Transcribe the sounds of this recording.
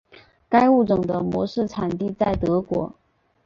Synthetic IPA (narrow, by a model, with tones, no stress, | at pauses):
ka˥ɪu˥˩ʈ͡ʂɤ˨˩ŋd̪ə˦mwɔ̰˧˥ʂɻ̩˥˩ʈ͡ʂʰa˨˩nt̪i˥˧t͡sa˥˩ɪt̪ɤ˧˥kwɔ̰˧˥